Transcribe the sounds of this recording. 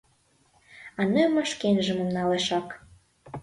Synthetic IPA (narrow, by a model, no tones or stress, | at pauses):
ɑnəmə̆ʃkenʒə̆mə̆mnɑleʃɑk